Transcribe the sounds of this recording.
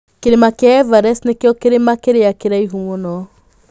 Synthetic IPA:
keɾemakjaɛvaɾɛsnekeɔkeɾemakeɾeakeɾaiɦumonɔ

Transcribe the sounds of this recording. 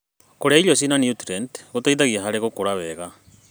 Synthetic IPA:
koɾeaiʎɔs̬inanjutɾɛndɣotaiðaɣiaɦaɾeɣokoɾaβɛɣa

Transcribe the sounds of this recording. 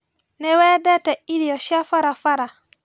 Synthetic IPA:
nɛwɛdɛtɛiɾiɔʃafaɾafaɾa

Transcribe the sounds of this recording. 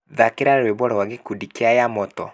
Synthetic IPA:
ðakeɾaɾɾweβɔɾɔwaɣekudikeajamɔtɔ

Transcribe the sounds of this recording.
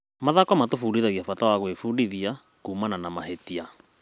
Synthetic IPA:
maðakɔmatofuɾiðaɣiafatawaɣwefuɾiðia | kuːmananamahetia

